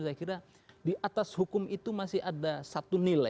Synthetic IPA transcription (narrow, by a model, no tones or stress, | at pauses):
sajakiɾa | diʔat̪ashukʊmit̪umasɪhadasat̪unila